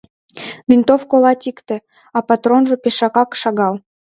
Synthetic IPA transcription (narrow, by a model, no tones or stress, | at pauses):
vʲint̪ofkolɑt̪ʲikt̪ĕ | ɑpɑt̪ɾonʒɤ̆peʃɑkɑkʃɑɣɑl